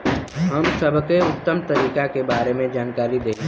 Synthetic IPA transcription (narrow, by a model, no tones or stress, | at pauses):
ɦɐmsɐbʱkeʊt̪ːəmt̪ɐɾiːkakebaːɾemẽd͡ʒaːnkaːɾid̪eː